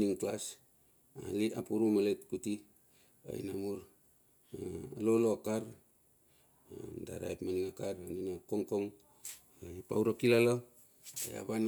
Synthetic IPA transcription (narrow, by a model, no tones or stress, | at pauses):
iŋklas | a̰liapuɾumaletkuti | a̰ḭnamuɾ | aaloloakaɾ | a̰da̰ɾa̰jpmaniŋakaɾaninakoŋkoŋ | apa̰wɾakilala | a̰ja̰βan